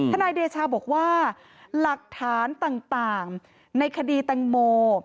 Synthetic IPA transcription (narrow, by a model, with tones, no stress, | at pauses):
aː˥naː˧jdeː˧t͡ɕʰaː˧bɔː˨˩k̚waː˥˩ | la˨˩k̚t̪ʰaː˩˦nt̪aː˨˩ŋt̪aː˨˩ŋ | na˧jkʰa˧diː˧t̪a˨˩ŋmoː˧